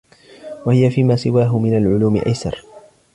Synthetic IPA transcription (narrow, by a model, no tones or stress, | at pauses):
wahɪjafiːmaːsɪwaːɦʊmɪnalʕʊluːmɪ̰ʔajsɑ̰ɾˤ